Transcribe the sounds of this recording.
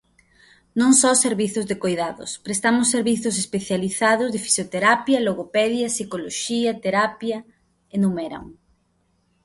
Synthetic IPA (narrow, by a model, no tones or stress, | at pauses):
nõŋsɔseɾβiθʊzðekojðaðʊ̰spɾest̪amʊsːeɾβiθʊsespeθjaliθað̞ʊzðefi̥sjot̪eɾapjɐloɣopɛðjɐsikoloʃiɐt̪eɾapjɐ | enumɛɾa̰ŋ